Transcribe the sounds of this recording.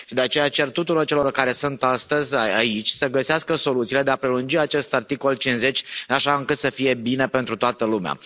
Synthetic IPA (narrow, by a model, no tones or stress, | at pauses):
ʃid̪e̞at͡ʃe̞jat͡ʃe̞rt̪ːut̪uɾort͡ʃe̞lo̞rkaɾe̞sunt̪ast̪əzʲaait͡ʃʲsəɡəseaskəso̞lut̪sile̞d̪e̞apɾelund͡ʒiat͡ʃe̞st̪art̪iko̞lt͡ʃinze̞t͡ʃʲaʃaɨŋkɨt̪səfije̞bine̞pent̪ɾut̪oat̪əlumea̰